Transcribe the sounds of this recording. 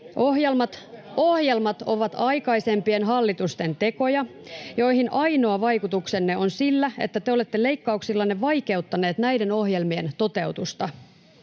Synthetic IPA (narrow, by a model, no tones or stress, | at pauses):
ʔoɦjelmɑt̪ohjelmɑt̪o̞ʋɑt̪ɑikɑise̞mpie̞nɦɑlːit̪ust̪e̞nt̪e̞ko̞jɑjo̞iɦhinʔɑino̞ːʋɑjkut̪uksenːeo̞nsilːæḛt̪ːæt̪eole̞t̪ːele̞ikːɑuksilːɑnːeʋɑike̞ut̪ːɑne̞ːt̪næidenohjelmient̪o̞t̪e̞ut̪ust̪ɑ